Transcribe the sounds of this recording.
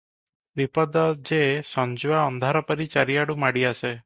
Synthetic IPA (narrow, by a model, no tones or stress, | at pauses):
d̪ipɔd̪ɔd͡ʒesɔnd͡ʒuaɔnd̪ʱaɾɔpɔɾit͡ʃaɾiaɽumaɽiase